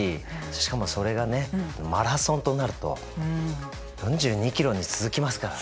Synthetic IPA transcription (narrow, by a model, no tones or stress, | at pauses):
iɕi̥kamo̞so̞ɾe̞ɡane̞anomaɾasõ̞nt̪o̞naɾɯ̟t̪o̞̰ | jõ̞ɲ̟d͡ʑɨːɲ̟ikʲiɾo̞ɲ̟it͡sɨzɨkʲimasɨ̥kaɾa